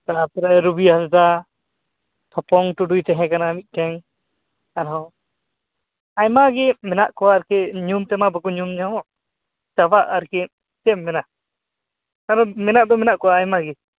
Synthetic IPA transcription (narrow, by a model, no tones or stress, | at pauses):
t̪apɛɾaɾubiɦasd̪a | t̪ʰɔpɔŋʈuɖujt̪ɛɦɛ̃kanamit̪̚ˀʈɛŋ | anɔ | ajmaɡɛmɛnaʔkɔwaːɾkɛɲumt̪ɛmabakuɲumɲaɔ | t͡ʃabaʔaɾkɛ | t͡ʃɛmːɛnaʔ | anɔ̃mɛnaʔd̪ɔmɛnaʔkɔwaːjmaɡɛ